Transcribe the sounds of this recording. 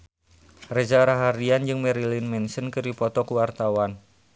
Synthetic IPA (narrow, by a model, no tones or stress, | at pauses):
rɛzaɾaɦaɾiand͡ʒɨŋmɛɾilinmɛnsənkɨɾipɔt̪ɔkuwart̪awan